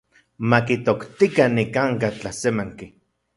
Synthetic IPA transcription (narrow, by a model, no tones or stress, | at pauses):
makit̪okt̪ikanikaŋkat͡ɬahsemaŋki